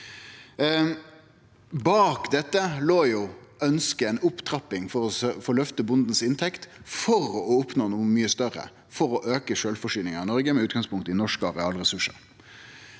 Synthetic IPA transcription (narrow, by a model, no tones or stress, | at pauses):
bɑːkd̪ɛt̪ːəloːjuːœnskəɛɪnʊpt̪ʰɾɑpɪŋfɔɾɔfɔɭœft̪əbʊnd̪n̩sɪnt̪ʰɛkt̪fɔɾɔʊpnoːnuːəmyːəst̪œɾə̰ | fɔɾɔʔøːkəʃøːlfɔʂyːnɪŋəɪnɔɾɡəmɛʉːt̪ɡɑŋspʰʊŋkt̪əɪnɔʂkɑʁɛɑːlʁɛsʉʂə̰ɾ